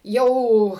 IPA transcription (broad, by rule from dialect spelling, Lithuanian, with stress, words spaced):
ˈjɛʊ